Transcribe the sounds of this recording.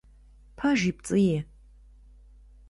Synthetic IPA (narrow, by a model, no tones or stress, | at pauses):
pʰaʒip̚t͡sʼɨje